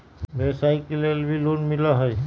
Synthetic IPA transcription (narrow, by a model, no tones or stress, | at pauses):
besajkelelbʱilunmilaɦɔj